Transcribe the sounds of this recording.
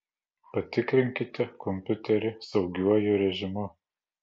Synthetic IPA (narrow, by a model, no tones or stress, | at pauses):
pat̪ikɾiŋkit̪akʰomput̪eɾisawɡiwajuɾeʒimo